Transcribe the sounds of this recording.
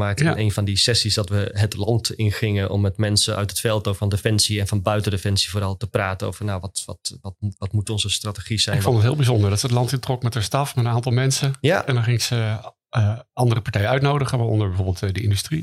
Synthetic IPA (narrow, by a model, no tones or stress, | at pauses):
maːk̚tejnfɑndisɛsisdɔtʋəɦətlɑntɪnχɪŋənʔɔ̰mːɛtmɛnsənœ̰ɥtətfɛlˠtofɑndefɛnsiɛnfɑnbœɥtəndefɛnsivoːɾɑlˠtəpraːtəno̰wvəɹnawʋɔtʋtɔtʋɑtmutɔnzəstratəχiz̥ɛɪnfɔntətɦɪːlˠbizɔndəɹdɔtsəətlɑntɪntrɔkmɛtəstɑfmɛtənaːntɑlˠmɛnsəjaɛndɔnχɪŋsə | ʔɑndərəpaɹtɛjənœɥtnowdəχəʋaɔ̰ndəɹbɛvoːɹbɪlˠtdəɪndystri